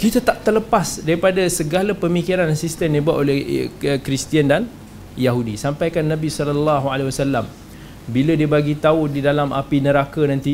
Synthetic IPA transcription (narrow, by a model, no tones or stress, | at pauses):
kit̪at̪aʔt̪ələpasdaɾipadasəɡalapəmikiɾansist̪əmdibuaʔ̪olɛhəkɾist̪iandan | jaɦudisampajkanːãbisɔlɔlːaɦualewasalːam | bilədiəbaɡit̪audidalamʔa̰pinəɾakanãnt̪i